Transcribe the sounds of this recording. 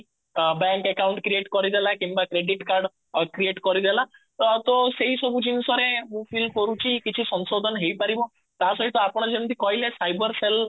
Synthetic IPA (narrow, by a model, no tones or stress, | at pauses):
bɛŋkekawɳʈkɾieʈkɔɾid̪ʱelakimbakɾeɖiʈkaɾɖ | kɾieʈkɔɾid̪ʱela | t̪ɔseɦisɔbʱud͡ʒinsɔɾemũpʰilkɔɾut͡ʃʰikit͡ʃʰisɔnsod̪ʱɔnɦejpaɾibɔ | t̪asɔɦit̪ɔapɔɽ̃ɔd͡ʒeñt̪ikɔɦilesajbɔɾsel